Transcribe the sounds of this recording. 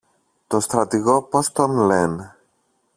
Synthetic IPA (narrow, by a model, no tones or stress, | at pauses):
t̪o̞st̪ɾɐt̪iɣo̞post̪onlen